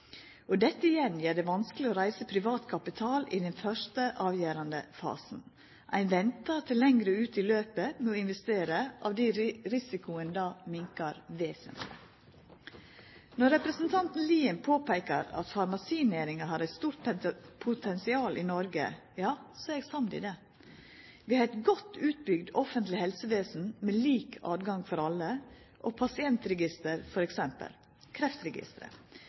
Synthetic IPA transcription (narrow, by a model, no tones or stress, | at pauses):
ɔd̪ɛt̪ːəɪjɛnjeːɖɛʋɑnsklɪoːɾæɪsəpʰɾɪʋɑːt̪kʰɑpɪt̪ʰɑːlɪd̪ɛnfœʂtəʔɑːʋjæːɾɑnd̪əfɑ̰ːsn̩ | ʔæ̰ɪnʋɛnt̪ɑt̪ʰɪlːɛŋɡɾəʉːt̪ɪløːpəmɛɔɪnʋɛst̪eːɾəʔɑ̰ːʋd̪iɾɪsɪkʊənd̪ɑːmɪŋkəɑɾʋeːsə̰nt̪ʰlɪ̰ | nɔɾɛpɾəsnt̪ʰɑnt̪n̩liːɪnpʰoːpæɪkə̰ɾɑ̰t̪fɑɾmɑsiːnæːɾɪŋɑhɑɾæɪt̪st̪uːɾʈ̪pʰʊt̪ʰɛnsɪɑːlʔɪnɔɾɡə̰ | jɑːsɔɛɡsɑmd̪ɪ̰ːd̪ɛ | ʋɪːhɑɾæɪt̪ɡɔt̪ːʉːt̪̚bʏɡd̪ɔfənt̪lɪhɛlsəʋeːsn̩mɛliːkʰɑ̰ːd̪ɡɑŋfɔɾɑlːə | ʔɔpʰɑsɪɛnt̪ɾɛɡɪst̪əɾfɔɾɛksɛmpə̰l | kʰɾɛft̪ɾɛɡɪ̰st̪əɾə̰